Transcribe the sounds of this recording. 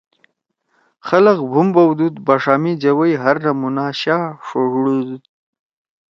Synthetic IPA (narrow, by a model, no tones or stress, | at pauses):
xaləqbʱumbawd̪ud̪baʂɑmid͡ʒawəjɦaɾnamunaɕɑʂoɽud̪u